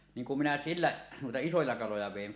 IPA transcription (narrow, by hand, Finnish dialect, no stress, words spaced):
niːŋ kum minæ silːæ nuitɑ isojɑ kɑlojɑ ʋeˑin